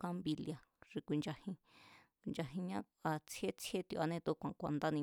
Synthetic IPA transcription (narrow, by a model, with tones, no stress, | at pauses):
kã˦mbi˧lja˨ | ʂi˧kʷi˨˧nd͡ʒa˧hĩ˧ | kʷi˨nd͡ʒa˧ɦĩ˧ɲã˦ | a˧t͡sʰje˦t͡sʰje˦t̪o˧˨ʔa˧nẽ˧t̪u˧kʷã˨kʷa˧˨nd̪a˦nĩ˧